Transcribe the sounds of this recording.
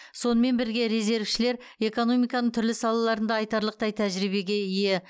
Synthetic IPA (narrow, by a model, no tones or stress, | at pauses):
so̞nəme̞nbɪɾɡʲe̞ɾeze̞ɾvʃɪle̞ɾ | e̞ko̞no̞mijkɑnəɴt̪ʰʏɾlɪsɑlˠɑlˠɑɾənd̪ɑːjt̪ɑɾlˠəq̚t̪ɑjt̪ʰæʒɾiβe̞ɡʲe̞ije